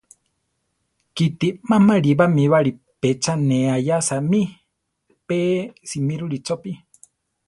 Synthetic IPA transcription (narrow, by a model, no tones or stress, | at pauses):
kit̪imamaɺiβamiβaɺi | pet͡ʃaneajasami | pesimiɾuɾit͡sopi